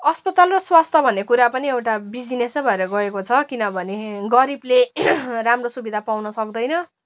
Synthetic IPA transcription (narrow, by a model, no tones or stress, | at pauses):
ʌspʌt̪alrʌswast̪ʰʌbʱʌnːekuɾapʌniewʈabid͡zinesbʱʌeɾʌɡʌekot͡sʰʌkinʌbʱʌneɡʌɾibleramrosubid̪ʱapawnʌsʌkd̪ʌjnʌ